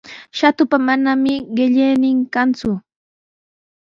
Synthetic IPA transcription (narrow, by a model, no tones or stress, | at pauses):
ʃat̪ʊpamanamɪɢɪʎejnɪŋkant͡sʊ